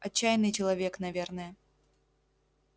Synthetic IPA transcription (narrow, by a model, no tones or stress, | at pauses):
ɐt͡ɕːajnɨjt͡ɕɪlˠɐvʲeknɐvʲernəjə